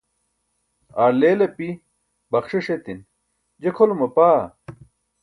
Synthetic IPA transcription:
aːɾleːlɐpi | bɐxʂiʂet̪in | d͡ʑekʰolumɐpaː

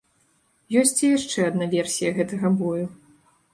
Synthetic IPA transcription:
jɔsʲt͡sʲijaʂt͡ʂɛɐd̪navʲɛrsʲijɐɣɛt̪ɐɣɐbɔju

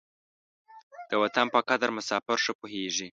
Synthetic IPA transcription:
d̪̥əwat̪anpəkad̪aɾmʊsɑfɪɾʂəpoɦeʒi

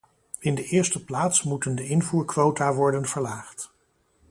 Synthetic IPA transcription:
ɪndəʔɪːɹstəplaːtsmutəndəɪnvuːɹkʋowtaːʋɔɹdənv̥əɹlaːχt

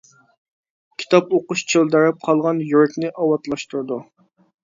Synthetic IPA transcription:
kʲʰi̥t̪ʰɑpoqʊʃt͡ʃʰøld̪æɾɛp̚qʰɑlˠʁɑnjyɾɛkʲnɪʔɑwɑt̪lˠɑʃt̪uɾd̪u

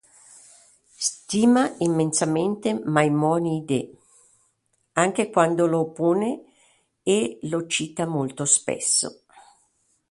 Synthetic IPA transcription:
st̪iːmaimːensament̪emajmɔːnid̪e | aŋk̟ekwand̪olopoːne | elot͡ʃiːt̪amolt̪ospɛ̰sːo̰

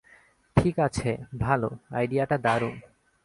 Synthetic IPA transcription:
ʈʰikat͡ɕʰebʱaloa̰jɖijaʈad̪aɾu

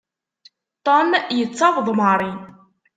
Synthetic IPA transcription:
t̪ˤomjət͡sːɑvðˤməɾˤi

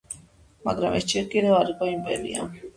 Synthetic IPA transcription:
ma̰ɡɾamʔɛsd͡ʒiɾkʼid̪ɛaɾikʼɔimpʼɛɾḭa̰

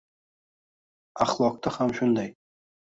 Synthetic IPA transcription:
aχlˠɒq̚t̪ɑhamʃʊnd̪ɑj

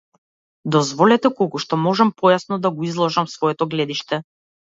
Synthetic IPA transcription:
d̪ɔzvɔlɛt̪ɛkɔlˠkuʃt̪ɔmɔʒampʰɔjasnɔd̪aɡɔizlˠɔʒamsvɔɛt̪ɔɡlɛd̪iʃt̪ɛ

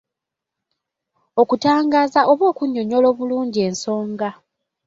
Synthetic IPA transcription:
o̞kutaːŋɡaːzaʔo̞βo̞ːkuɲːoɲo̞lo̞ːβuluːɲɟie̞ːnso̞ːŋɡa

